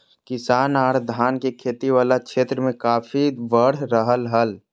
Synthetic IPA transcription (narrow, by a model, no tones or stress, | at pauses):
kɪsaːnaːɽd̪ʱaːnkekʰeːt̪iʋaːlakʃʰeːt̪ɾəmẽkaːpʰiʋəɽ̤ɾəɦəlɦəl